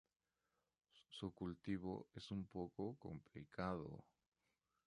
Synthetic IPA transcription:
sukult̪iβo̰esumpokoko̰mplikʰaðo̰

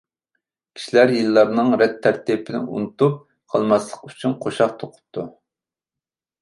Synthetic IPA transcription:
kʲʰi̥ʃilæɾjilːɑɾnɨŋɾɛt̪ʰːæɾt̪ipʰɪnɪ̰ʔṵnɨt̪up̚ | qʰɑlˠmɑslˠəqyt͡ʃʰynqʰoʃɑqt̪ʰoqʰʊ̥p̚t̪ʰu

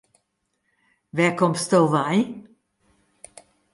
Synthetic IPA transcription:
vɛːkɔmst̪ɔwvɐj

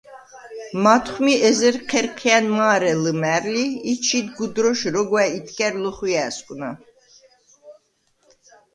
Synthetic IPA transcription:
mat̪ʰχmiɛzɛɾqʰɛɾqʰianmaːɾɛləmæɾliːt͡ʃʰit̪ɡud̪ɾɔʃɾɔɡwɛit̪ʰkʼɛɾləχwiæskʼna̰

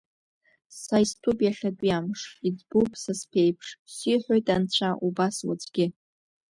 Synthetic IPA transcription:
sajistʰupjaɬʲaɡʷʼijamʂid͡zbupʰʼsaspʰejpʰʂsiħʷojtʼant͡ɕʷʰaʔubaswa̰t͡sʷʼɡʲɪ

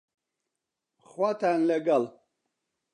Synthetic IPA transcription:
χwat̪ʰanlɛɡal

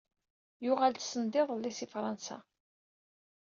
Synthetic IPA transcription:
jʊʁalt̪sənd̪ɪðˤlːisifɾˤɑnsa̰

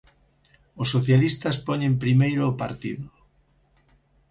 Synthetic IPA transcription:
osːoθjalist̪aspoɲẽmpɾimejɾoːpaɾt̪iðo

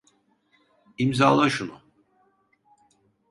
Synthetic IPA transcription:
imzaːlˠaʃunʊ

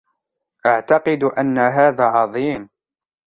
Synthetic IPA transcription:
ʔaʕt̪ɑqɨd̪ʔanːaɦaːðaːʕɑðˤiːm

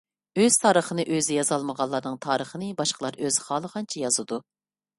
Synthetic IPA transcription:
øz̥t̪ʰɑːɾəχənɨʔøzɪjɑzɑlˠməʁɑlˠːɑɾnɨŋt̪ʰɑːɾəχənɨbɑʃqʰəlˠɑɾøzɪχɑːlˠəʁɑnt͡ʃʰɛjɑzɨd̪u

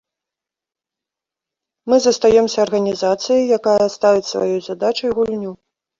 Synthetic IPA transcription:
mɨzɐst̪ajɛmsʲɐːrɣɐnʲizat̪sɨjɐjjakajɐst̪avʲit͡sʲsva̰jɔjzad̪at͡ʂɐjɣulʲnʲu

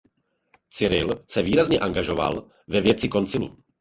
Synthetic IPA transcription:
t͡sɪɾɪ̰lsɛviːɾazɲɛʔaŋɡaʒo̞va̰l | vɛvjɛtt͡sɪko̞nt͡sɪlṵ

